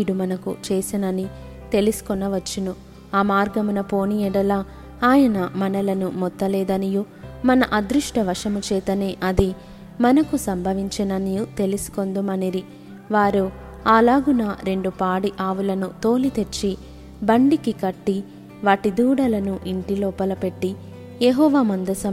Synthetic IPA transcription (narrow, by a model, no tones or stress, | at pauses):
ɽumɐnɐkṵt͡ʃeːsinɐni | t̪e̞lusu̥kɔnːɐʋɐt͡ʃːinu | aːmaːɾɡɐmunɐpo̞ːnijɛɽɐla | aːjɐnɐmɐnɐlɐnumɔt̪ːɐlɛːd̪ɐniju | mɐnɐʔɐd̪ɾuʂʈɐʋɐʂɐmut͡ʃɛːt̪ɐneːʔɐd̪i | mɐnɐkusɐmbʱɐʋiɲt͡ʃɐnɐnijut̪e̞lusu̥ko̞nd̪umɐniɾi | ʋaːɾu | aːlaːɡunɐɾe̞ɳɖupaːɽiʔaːʋulɐnut̪o̞ːlit̪e̞t͡ʃːi | bɐɳɖikikɐʈːi | ʋaːʈid̪uːɽɐlɐnuʔiɳʈilɔːpɐlɐpe̞ʈːi | jeɦɔːʋaːmɐnd̪ɐsɐm